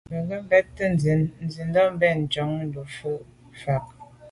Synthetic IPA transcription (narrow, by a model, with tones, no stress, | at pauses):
bə˨ɡə˦m˦bɛ˦tːə˦n˨zi˨˦nn˨zi˨n˦dɔ˦m˦bɛ˦˨n˨d͡ʒɔ˨˦ŋn̩˦du˨fu˦ʔ | fa˨k̚